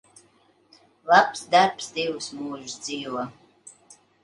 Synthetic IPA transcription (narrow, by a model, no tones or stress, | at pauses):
lapsd̪arpsd̪iwsmuːʒd̪ziːwɔ